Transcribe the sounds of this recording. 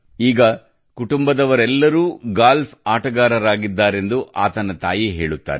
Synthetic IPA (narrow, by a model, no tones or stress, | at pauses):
iːɡɐ | kuʈumbɐd̪ɐʋɐɾɛlːɐɾuːɡaːlfʰaːʈɐɡaːɾɐɾaːɡid̪ːaːɾe̞nd̪uʔa̰ːt̪ɐnɐt̪a̰ːjiɦeːɭut̪ːa̰ːɾɛ